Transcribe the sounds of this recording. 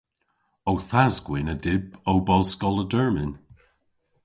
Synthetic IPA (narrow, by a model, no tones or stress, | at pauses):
owθazɡwɪnədɪbowbɔlskɔlədɜɹmɪn